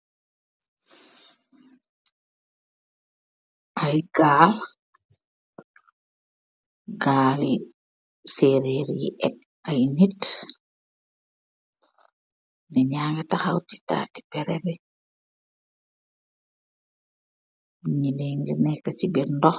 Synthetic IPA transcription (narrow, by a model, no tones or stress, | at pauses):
ʔajɡaːl | ɡaːli | seːɾɛɾjḭʔɛp̚ | ajnit | nɛɲaːŋɡataxawti̥ta̰ːti̥pɛɾɛbɛ | ɲinɛŋɡinɛkːat͡ʃibɛndɔx